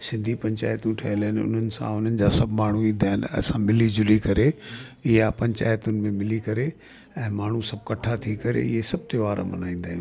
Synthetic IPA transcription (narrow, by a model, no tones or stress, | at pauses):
sɪ̃nd̪ʱipɐ̃ɲt͡ɕa̰ːjt̪ũʈʰɐɦɪlnɪʊ̰n̤ənɪ̆sã̰ʊn̤ənɪ̆d͡ʑaːsɐbʱmaːɳ̤uid̪ʱaːnɐ̰sãmɪlid͡ʑʊlikɐɾeɪɦapɐ̃ɲt͡ɕa̰ːjt̪ʊnɪ̆mẽmɪlikɐɾe | ɛ̃ːmaːɳ̤usɐb̚ʱkɐʈʰat̪ʰikɐɾḛɪɦesɐb̚ʱt̪oaːɾə̰mɐ̰naːĩːnd̪aːɦĩ